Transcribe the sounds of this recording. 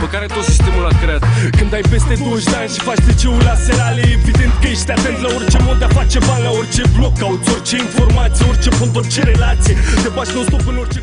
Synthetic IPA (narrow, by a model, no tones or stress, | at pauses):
pəkaɾe̞t̪o̞t̪si̥st̪emulakɾeat̪kɨnd̪ajpest̪e̞d̪oəʃd̪eanʲʃi̥fat͡ʃt̪et͡ʃeulaselaleevid̪e̞nt̪kəjeʃt̪eat̪ent̪lao̞rt͡ʃe̞mod̪dːeafat͡ʃe̞banlaort͡ʃe̞blo̞k̚kːaut̪o̞rt͡ʃe̞info̞rmat̪sijeort͡ʃe̞punt̪ort͡ʃeɾelat̪sijet̪epat͡ʃnost̪opɨno̞rt͡ʃe